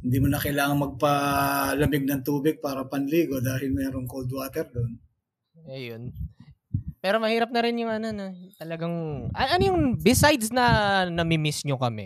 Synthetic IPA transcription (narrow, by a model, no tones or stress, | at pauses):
hhɪnd̪iːmonɐkɐɪlaːŋɐŋmɐɡ̚pɐlɐmɪɡ̚nɐŋt̪uːbɪɡ̚paːɾɐpɐnliːɡo̞d̪aːhɪlmɛːɾoŋkold̪waːt̪ɛɾd̪on | ʔɐjon | pɛːɾo̞mɐhiːɾɐp̚nɐɾɪnjʊŋʔɐnonot̪ɐlɐɡaŋʔɐnɐnojʊŋbɪsajd̪snɐnɐmɪmɪsɲokɐmɛ̰